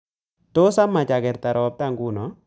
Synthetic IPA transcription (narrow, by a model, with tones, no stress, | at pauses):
to˦sa˦mːa˨t͡ʃa˨ɡɛ˨ɾta˨ɾɔ˨p̚ta˦˨ŋɡu˦nɔ˨˦